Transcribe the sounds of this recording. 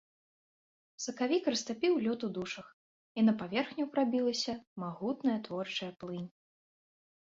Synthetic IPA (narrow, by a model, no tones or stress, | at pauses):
sɐkavʲikrɐst̪apʲiwlʲɔt̪ud̪uʂɐx | inɐpavʲɛrxnʲupɾabʲilˠɐsʲɐmaɣut̪nɐjɐt̪vɔrt͡ʂɐjɐplˠɨnʲ